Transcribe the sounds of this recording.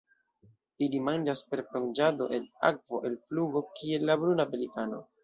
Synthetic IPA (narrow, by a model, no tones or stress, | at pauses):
ilimand͡ʒaspe̞ɾpond͡ʒado̞̰ʔe̞la̰k̚vo̞ʔe̞lpluɡo̞kie̞lːabɾunabelikano̰